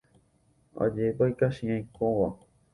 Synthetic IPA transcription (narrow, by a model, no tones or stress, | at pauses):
a̰d͡ʒepajkaʃĩãj̃kõʋa